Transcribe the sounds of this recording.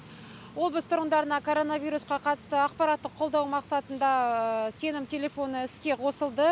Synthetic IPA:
wo̞bəst̪ʰʊɾʁənd̪ɑɾənɑkʰoɾo̞navijɾusqɑqʰɑt̪ə̥st̪əɑqpɑɾɑt̪ːəqʰːo̞lˠd̪ɑwmɑqsɑt̪ənd̪ɑse̞nɪmt̪ʲʰe̞lʲe̞fo̞nəɪskʲe̞qʰo̞səlˠd̪ə

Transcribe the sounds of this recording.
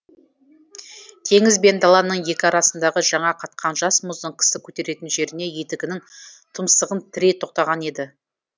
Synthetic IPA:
k̪ʲʰe̞ŋɪzbe̞nd̪ɑlˠɑnəɴje̞kʲɪɑɾɑsənd̪ɑʁəʒɑɴɑqʰɑt̪̚qʰɑnʒɑsmʊzd̪əɴkʲʰɪ̥sɪkʲʰɵt̪e̞ɾe̞t̪ɪnʒe̞ɾɪne̞je̞t̪ɪɡʲɪnɪŋt̪ʰəmst̪əʁənt̪ʰɪɾet̪ʰo̞q̚t̪ɑʁɑne̞d̪ɪ

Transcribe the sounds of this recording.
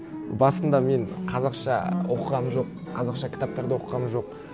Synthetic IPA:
bɑsənd̪ɑme̞ɴqʰɑzɑqʃɑ̰wo̞qəʁɑmənʒo̞qʰːɑzɑqʃɑkʲʰɪ̥t̪ap̚t̪ɑɾd̪ɑwo̞qəʁɑmənʒo̞q̚

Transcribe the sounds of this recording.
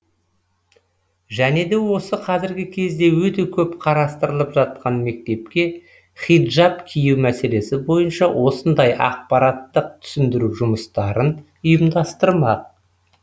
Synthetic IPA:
ʒæne̞d̪e̞wo̞səqʰɑzɪɾɡʲɪkʲʰe̞zd̪e̞wɵt̪e̞kʲʰɵpqʰɑɾɑst̪əɾəlˠəpʒɑt̪̚qɑnme̞k̚t̪e̞p̚kʲe̞ | χid̪ʒapkʲʰijuwmæse̞le̞sɪbo̞jənʃɑwʔo̞sənd̪ɑjʔɑ̰q̚pɑɾɑt̪ːəq̚t̪ʰʏ̥sɪnd̪ɪɾuʒʊməst̪ɑɾən | ʊjəmd̪ɑst̪əɾmɑq̚

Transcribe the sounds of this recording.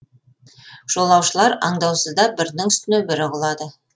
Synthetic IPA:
ʒ̥o̞lˠɑwʃəlˠɑɾɑ̰ɴd̪ɑwsəzd̪ɑbɪɾnɪŋʏst̪ɪnebɪɾɪʁʊlˠɑd̪ə

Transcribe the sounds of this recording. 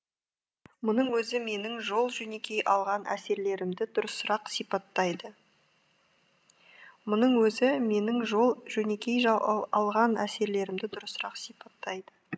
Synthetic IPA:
mʊnəɴwɵzɪme̞nɪŋʒo̞lˠʒɵne̞kʲʰe̞jʔɑlˠʁɑnʔæ̰se̞ɾle̞ɾɪmd̪ɪd̪ʊɾəsːʊɾɑqsijpɑt̪ːɑjd̪ə | mʊnəɴwɵzɪme̞nɪŋʒolˠʒɵne̞kʲe̞jʒɑɑlˠʁɑnæse̞ɾle̞ɾɪmd̪ɪd̪ʊɾəsːəɾɑqsijpɑt̪ːɑjd̪ə

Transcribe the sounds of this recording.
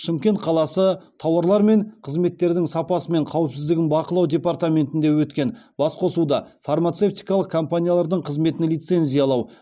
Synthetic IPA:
ʃɪmkʲe̞nt̪̚qʰɑlˠɑsət̪ʰɑwɑɾlˠɑɾme̞ɴqʰəzme̞t̪ːe̞ɾd̪ɪŋsɑpɑsəme̞ɴqʰɑwəpsɪzd̪ɪɡʲɪnbɑqəlˠɑwd̪ʲe̞part̪amʲe̞nt̪ɪnd̪e̞wɵt̪kʲe̞nbɑsqʰo̞sud̪ɑfarmat̪se̞ft̪ijkɑlˠəq̚kʰompanʲijalˠɑɾd̪əɴqʰəzme̞t̪ɪnlijt̪se̞nzʲijalˠɑw

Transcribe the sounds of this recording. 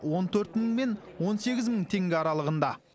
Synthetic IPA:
wo̞nt̪ʰɵɾt̪məŋme̞nwo̞nse̞ɡʲɪzməɴt̪ʰe̞ŋɡʲɪɑɾɑlˠəʁənd̪ɑ

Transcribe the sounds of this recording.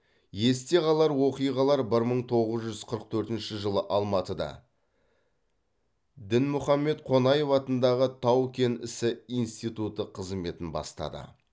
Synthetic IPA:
je̞st̪e̞ʁɑlˠɑɾwo̞qijʁɑlˠɑɾbɪɾməɴt̪ʰo̞ʁəzʒʏzqʰəɾəq̚t̪ʰɵɾt̪ɪnʃɪʒəlˠəʔɑlˠmɑt̪əd̪ɑ̰ | d̪ɪnmʊχɑmːe̞t̪qʰo̞nɑje̞fɑt̪ənd̪ɑʁət̪ʰɑwkʲe̞nɪsɪijnst̪ijt̪ut̪əqʰəzme̞t̪ɪnbɑ̰st̪ɑ̰d̪ə̰

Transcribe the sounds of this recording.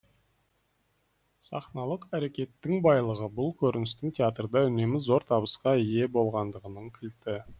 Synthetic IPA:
sɑ̰χnɑlˠəqæɾe̞kʲe̞t̪ːɪŋbɑjlˠəʁəbʊlˠkʲʰɵɾɪnɪst̪ɪŋt̪ʲʰeat̪rd̪ɑʏne̞mɪzzo̞ɾt̪ʰɑbəsqɑije̞bo̞lˠʁɑnd̪əʁənəɴkʲʰɪlt̪ɪ

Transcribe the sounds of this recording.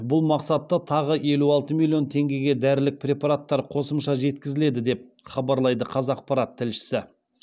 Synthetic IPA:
bʊlˠmɑqsɑt̪ːɑt̪ʰɑʁəe̞luɑlˠt̪əmilʲˠijo̞nt̪ʰe̞ŋɡʲe̞ɡʲe̞d̪æɾɪlɪk̚pɾʲe̞pɑɾat̪ːɑɾqʰo̞səmʃɑʒe̞t̪kʲɪzɪle̞d̪ɪd̪e̞p̚ | χɑbɑɾlˠɑjd̪əqʰɑzɑq̚pɑɾat̪ʰːɪlʃɪ̥sɪ

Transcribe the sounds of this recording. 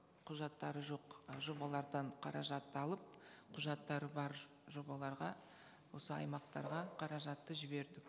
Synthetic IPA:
qʰʊʒɑt̪ːɑɾəʒo̞qʒo̞bɑlˠɑɾd̪ɑɴqʰɑɾɑʒɑt̪ːəɑlˠəp̚qʰʊʒɑt̪ːɑɾəbɑɾ | ʒo̞bɑlˠɑɾʁɑ | wo̞səɑ̰jmɑqt̪ɑ̰ɾʁɑqʰɑɾɑʒɑt̪ːəʒɪbe̞ɾd̪ɪk

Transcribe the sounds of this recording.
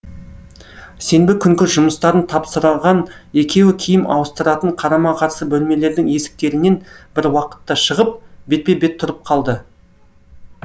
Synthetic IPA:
se̞nbɪkʲʰʏŋkʲɪʒʊməst̪ɑɾənt̪ʰɑpsəɾɑʁɑne̞kʲʰe̞wɪkʲʰijɪmɑ̰wəst̪əɾɑt̪əɴqʰɑɾɑmɑqʰɑɾsəbɵlme̞le̞ɾd̪ɪŋe̞sɪ̥k̚t̪e̞ɾɪne̞nb̥ɪɾwɑqə̥t̪ːɑʃəʁəp̚be̞t̪̚pe̞be̞t̪ʰːʊɾəp̚qʰɑlˠd̪ə

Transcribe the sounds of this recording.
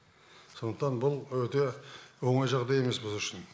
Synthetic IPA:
so̞nd̪əqt̪ɑnbʊlˠwɵt̪e̞wo̞ɴɑjʒɑʁd̪ɑje̞me̞sbɪzʏʃɪn

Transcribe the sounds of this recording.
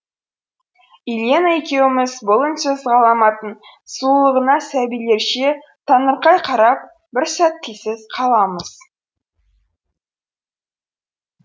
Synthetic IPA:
iljenaekʲe̞wɪmɪzbolˠənsɵzʁɑlˠɑmɑt̪ən | sulˠəʁənɑsæbijle̞ɾʃe̞ | t̪ʰɑnəɾqɑjqʰɑɾɑp̚ | bɪɾsæt̪ʰːijsɪzqʰɑlˠɑməz̥

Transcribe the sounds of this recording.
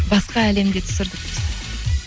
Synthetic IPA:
bɑsqɑæle̞md̪et̪ʰʏ̥sɪɾd̪ɪk̚ɪz

